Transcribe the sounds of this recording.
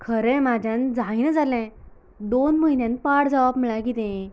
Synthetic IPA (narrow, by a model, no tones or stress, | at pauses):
kʰəɾɛ̃mad͡ʑʱãnd͡zainəd͡zalɛ̃ | d̪onməinjãnpaɽd͡zaʋabm̤əɭaɡit̪ẽ